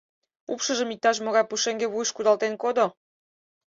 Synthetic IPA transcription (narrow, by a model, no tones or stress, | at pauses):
upʃəʒəmik̚t̪ɑʃ̬moɣɑjpuʃeŋɡeβujʃkud̪ɑlt̪enkod̪o